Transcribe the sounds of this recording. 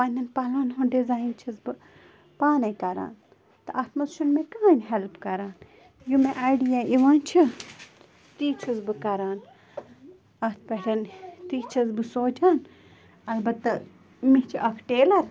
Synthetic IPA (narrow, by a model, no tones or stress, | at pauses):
pɐnʲːɐnpɐlaːnɦunɖizaːint͡ʃʰɐzbɨ | paːnɐjkɐɾa̰ːn | t̪ɐʔɐt̪mɐt̪ʃunmẽkaːnɦɛlpkɐɾaːn | jumeʔajɖijaːʔiʋaːnt͡ʃʰi | t̪iːt͡ʃʰɐzbɨkɐɾaːn | ɐt̪ʰpɐʈʲɐnt̪iːt͡ʃʰɐzbɨsoːd͡ʒaːn | ɐlbɐt̪ːɐ | mit͡ʃʰiʔɐkʰʈeːlɐɾ